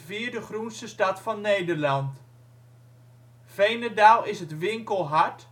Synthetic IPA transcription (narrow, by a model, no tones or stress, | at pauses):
viːɹdəχrunstəstɑtfɑnːejdəɹlɑnt | fejnədaːlˠɪsɦətʋɪŋkəlˠɦɑɹt